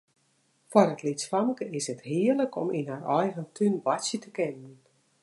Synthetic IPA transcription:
fɔɾətlisfaməkəɪsəthiərləkʰɔ̰minɦarɔjɣəntʰynʋasjətəkɪnən

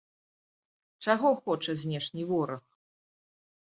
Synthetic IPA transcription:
t͡ʂaɣɔxɔt͡ʂɐzʲnʲɛʂnʲivɔɾɐx

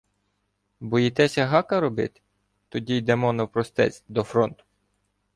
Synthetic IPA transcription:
bɔjit̪ɛsʲɐɦɑkɐɾɔbɪ̰t̪ɪ̥ | t̪ɔdʲijd̪ɛmɔnɐwpɾɔst̪ɛ̰t͡sʲd̪ɔfɾɔnt̪ʊ̥

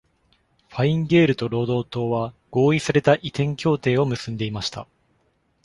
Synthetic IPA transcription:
ɸaĩŋɡe̞ːɾɯ̟t̪o̞ɾo̞ːd̪o̞ːt̪o̞ːβaɡ̥o̞ːisaɾe̞t̪aʔit̪ẽ̞ŋkʲo̞ːt̪e̞ːo̞mɯ̟sɨ̃nd̪e̞imaɕi̥t̪a̰

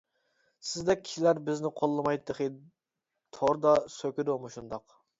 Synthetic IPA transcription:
sɪzd̪ɛk̚ʲʰi̥ʃilæɾbɪznɪqʰolˠːɨmɑjt̪ʰːəχi | t̪ʰoɾd̪ɑsøkʲyɾomuʃund̪ɑq

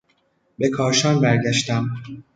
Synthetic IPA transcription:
be̞kʰɒːɾʃɒːnbæɾɟæʃt̪æm

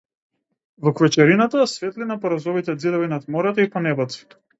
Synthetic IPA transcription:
vɔkvɛt͡ʃɛɾinat̪asvɛt̪linapɔɾazɔvit̪ɛd̪zid̪ɔvinat̪mɔɾɛt̪ipɔnɛbɛt̪si̥

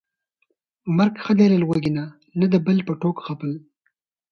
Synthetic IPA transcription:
maɾkxəd̪eləlɣwaɡina | nad̪əbəlpəʈokxapəl

